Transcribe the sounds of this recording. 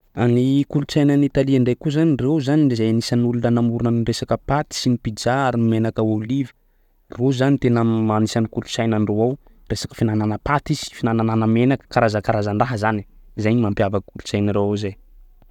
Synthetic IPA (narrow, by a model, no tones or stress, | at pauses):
anikulut͡sajnənit̪aliaɳɖ͡ʐekuzanirewzaniizajanisanulunənamuɾunəniresakəpat̪i̥sinipid͡zaaɾiimenakəolivə̥ | rozanit̪enəmanisanikulut͡sajnanɖ͡ʐewaw | resḁkə̥finananəpat̪iz̥i̥finanananəmenakə̥kaɾazakaɾazaɳɖ͡ʐaɦəzani̥zajnimampiavakulut͡sajnəɾaazaj